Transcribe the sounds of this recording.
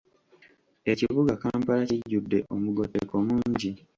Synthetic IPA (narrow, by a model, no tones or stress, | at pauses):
e̞ciβuɡakaːmpalaciɟːudːe̞ʔo̞muɡo̞tːeko̞muːɲɟi